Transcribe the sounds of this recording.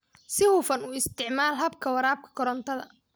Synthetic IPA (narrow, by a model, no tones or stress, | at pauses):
sɪhʊfɐnuːɪst̪ʰɪʕmaːlɦɐbkʰɐwɐɾaːb̚kʰɐ̥kʰɔɾɔnt̪ʰɐðɐ̰